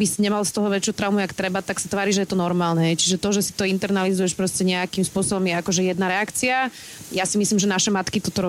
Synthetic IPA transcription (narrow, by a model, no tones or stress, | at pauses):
bisiɲɛmalst̪ɔɦɔʋɛt͡ʃɪut̪ɾaumuakt̪ɾɛbat̪aksat̪ʋaːɾiʒɛjɛt̪ɔnɔɾmaːlnɛɦɛjt͡ʃiʒɛt̪ɔʒɛsi̥t̪ɔint̪ɛɾnalizujɛʃpɾɔscɛɲɛakimspʊɔsɔbɔmjɛakɔʒɛjɛd̪naɾɛakt͡sia | jasimislimʒɛnaʃɛmat̪kit̪ɔt̪ɔɾɔ